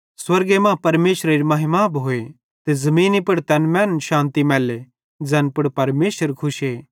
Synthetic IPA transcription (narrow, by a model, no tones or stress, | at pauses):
swɐɾɡemãːpɐɾmeːʃɾaɾimɐɦɪmaːbɦoːe | t̪ezɐmĩːnipɐɽt̪ɛːnmɛ̃ːnʃãːnt̪imɛːle | d͡zɛːnpɐɽpɐɾmeːʃəɾkʰʊʃeː